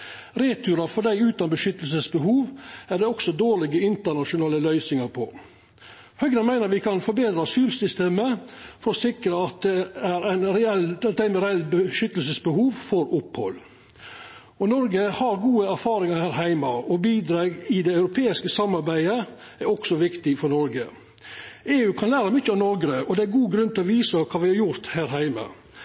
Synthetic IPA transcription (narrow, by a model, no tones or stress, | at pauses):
ɾeːt̪ʰʉːɾɑfɔɖæɪʉːt̪ɑnbəʂʏt̪əlsəsbəɦuːʋæɖ̪ɛɔksɔd̪oːɭɪɡəɪnt̪əɳɑʂʊnɑːləlœʏsɪŋɑɾpʰɔ̰ | hœɡnɑnmæɪnəɾʋɪkʰɑnfɔɾbeːd̪ɾɑsyːɾsʏst̪eːməfɔɾɔsɪkɾəɑt̪̚d̪ɛæɾæɪnɾɛɛlt̪̚d̪æɪnmɛɾɛlːbəʃʏt̪ːəlsəsbəhuːʋfɔɾʊphɔ̰lː | ɔnɔɾɡəhɑɾɡuːəæɾfɑːɾɪŋɑhæːɾɦæɪmɑɔbiːd̪ɾɑːɡɪd̪ɛɑʉɾʊpʰeːɪskəsɑmːɑɾbæɪə | æɾɔksɔʋɪkt̪ɪfɔɾɳɔɾɡə | eːʉːkʰɑnlæːɾəmʏçəɑnɔɾɡɾəʔɔd̪ɛæɾɡuːɡɾʉnt̪ʰɪlɔʋiːsəkʰɑːʋɪhɑɾjʊɾt̪hæːɾɦæɪmə̰